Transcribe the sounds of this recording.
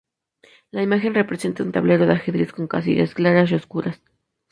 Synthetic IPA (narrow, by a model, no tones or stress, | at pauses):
laimaxe̞nrepɾese̞nt̪aunt̪aβle̞ɾoðaxeðɾisko̞ŋkas̬ḭʝḛsklaɾasjoskuɾas